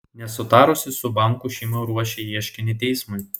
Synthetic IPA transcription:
nʲɛsʊt̪ɑːɾʊsʲɪsʊbɑˑŋˑkuʃʲɛɪmoːɾuɔʃʲɛiɛʃʲkʲɪnʲɪt̪ʲɛɪsmʊɪ

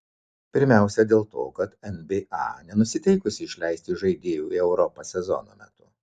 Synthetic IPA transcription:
pʲɪɾʲmʲæˑʊsʲɛd̪ʲeːlˠt̪o̰ːkɐt̪ɛnbʲeːʔɑ̰nʲɛnʊsʲɪt̪ʲɛɪkʊsʲɪːɪʃʲlʲæɪsʲt̪ʲɪʒɐɪd̪ʲeːjuːiɛʊɾɔpɐsʲɛzɔ̰no̰ːmʲɛ̰t̪ʊ

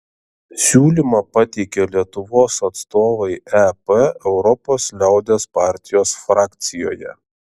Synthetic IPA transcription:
sʲuːlʲiˑmɑpɑt̪ʲɛɪkʲeːlʲiɛt̪ʊʋoːsɐt̪st̪oːʋɐɪɛpɛɛʊɾɔpoːslʲɛˑʊd̪ʲespɑːˑɾʲt̪ʲɪjoːsfɾɑːk̚ʲt̪sʲɪjo̰ːjɛ̰

